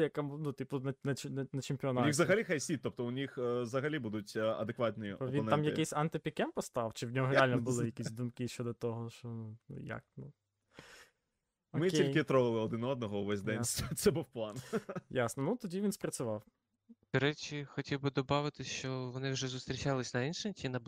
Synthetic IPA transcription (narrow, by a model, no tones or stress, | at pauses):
jɐkamunut̪ʲipʊnɐnɐnɐnɐt͡ʃɪmʲpʲiɔnɑnixzɐɦɐlʲixajsʲit̪ɔp̚t̪ɔʊnʲixzɐɦɐlʲibud̪ʊtʲɐ̰d̪ekʋɑt̪ʲnʲɔjiɔʋʲiɔnɛtamjɐɪjsʲɐnt̪ɪpʲikɛmpɔst̪ɑwt͡ʃɪwnʲɔɦɔɾɛalʲnɐbʊlˠɪjɐkʲisʲd̪umkɪʃt͡ʃɔd̪ɔt̪ɔɦɔʃɔnunṵja̰knu | ɔmɪiljkɪt̪ɾɔʋɪlˠɪɔd̪ɪnɔd̪̚nɔɦɔʊʋɛzʲd̪ɛnʲst̪sɛbuwplˠɑnjasnɔnut̪ɔdʲiʋʲinspɾɐt͡ssʲʊʋɑw | d̪̥ɪɾɛt͡ʃixɔtʲiwbɨd̪ɔbɑʋɪt̪ɪsʲt͡ʃɔʋɔnɪwʒɛzʊst̪ɾʲit͡ʃalˠɪsʲnɐinʃɪmʲtʲinɐ